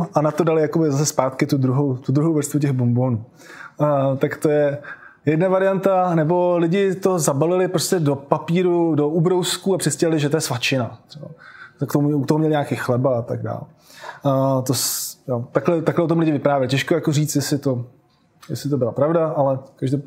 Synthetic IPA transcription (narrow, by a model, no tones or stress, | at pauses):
ʔanat̪o̞dalɪjakobɪzasɛspaːt̪kɪt̪ud̪ɾuɦowt̪ud̪ɾuɦowvɾst̪vuc̬ɛɣbombo̞ːnuː | t̪akt̪o̞jɛ | jɛdnavaɾɪjant̪anɛbo̞lɪɟɪt̪o̞zabalɪlɪpɾoscɛdopapiːɾudoʔubɾowskuapr̥ɛscɛlɪlɪʒɛt̪ojɛsvat͡ʃɪnat̪r̥ɛba̰t̪kt̪omuut̪oɦomɲɛlɪɲaːkexlɛbaat̪aɡda̰ːl | t̪osjot̪aklɛt̪aklɛʔot̪omlɪɟɪvɪpɾaːvjɛlɪcɛʃkojakoriːt͡st̪jɛsɪt̪o̞ | jɛsɪt̪obɪlapɾavdaʔalɛkaʒde